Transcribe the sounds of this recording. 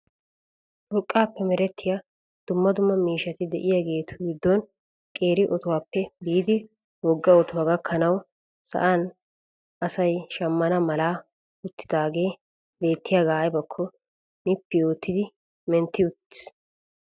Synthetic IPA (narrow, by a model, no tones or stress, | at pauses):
ʔʊɾkʼːaːpːɛmɛɾɛt̪ːɪja | d̪̥ʊmːɐd̪ʊmːɐmiːʃɐt̪ɪd̪ɛʔɪjɐɡe̞ːt̪ʰʊ̥ɡɪd̪ːɔn | kʼe̞ːɾɪʔɔt̪ʊwaːpːɛbiːd̪ɪ | wɔɡːɐɔt̪ʊwɐɡɐkʰːɐnɐw | sɐ̰ʔɐn | ʔɐsɐjʃɐmːɐnɐmɐlaː | ʊt̪ːɪ̥d̪aːɡe̞ː | be̞ːt̪ːɪjaɡaːjbɐkʰːɔ | nɪpːɪjo̞ːt̪ːɪd̪ɪ | mɛnt̪ːɪʊt̪ːɪ̥s